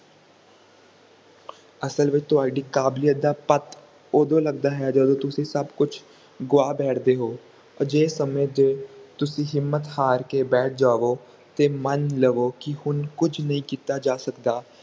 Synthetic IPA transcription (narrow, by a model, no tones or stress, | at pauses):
əsəlʋɪt͡ʃt̪ʊɦaːɖiːkaːblijət̪̚d̪aːpət̪ | oːd̪õːləɡd̪aːɦɛːd͡ʒəd̪õːt̪ʊsĩːsəbkʊt͡ʃʰ | ɡʊaːbɛːʈʰd̪eːɦoː | d͡ʒeːsəmẽːd͡ʒeːt̪ʊsĩːɦɪmːət̪haːɾkeːbɛːʈ̚ʰd͡ʒaːʋoː | t̪eːmənləɡoːkɪhʊnkʊt͡ʃʰnəɦĩːkiːt̪aːd͡ʒaːsəkd̪aː